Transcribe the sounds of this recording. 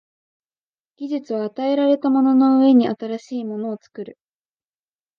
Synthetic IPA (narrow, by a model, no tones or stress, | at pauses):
ɡ̥ʲiʑɨt͡sɨβaːt̪ae̞ɾaɾe̞t̪amo̞no̞no̞ɯ̟e̞ɲ̟iʔat̪aɾaɕiːmo̞no̞ːt͡sɨ̥kɯ̟ɾɯ̟